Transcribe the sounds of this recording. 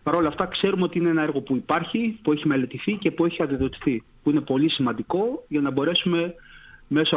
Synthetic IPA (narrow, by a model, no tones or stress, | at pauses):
pɐɾo̞lɐft̪ɐkse̞ɾumeo̞t̪iinee̞nɐe̞ɾɣo̞puipɐɾçipueçime̞le̞t̪iθice̞pue̞çiɐd̪iðo̞t̪i̥θi | puinepo̞lisimɐnd̪iko̞ʝɐnɐbo̞ɾe̞sume̞me̞so